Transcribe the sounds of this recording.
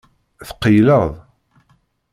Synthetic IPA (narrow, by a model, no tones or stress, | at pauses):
θqːəjləðˤ